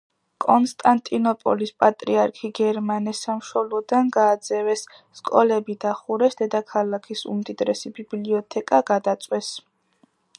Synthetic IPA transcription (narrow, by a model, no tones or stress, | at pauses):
kʼɔnst̪ʼant̪ʼinɔpʼɔ̰lispʼat̪ʼɾiaɾkʰiɡɛɾmanɛsamʃɔlˠɔd̪anɡaːd̪zɛvɛsː | kʼɔlɛbid̪aχuɾɛsd̪̥ɛd̪akʰalakʰisṵmd̪id̪ɾɛsibibliɔt̪ʰɛkʼaɡad̪at̪sʼwɛs